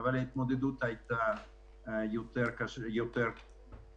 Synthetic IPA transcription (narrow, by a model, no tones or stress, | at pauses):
βalejt̪mod̪ed̪ut̪ajt̪a | jut̪eɾkasjot̪eɾ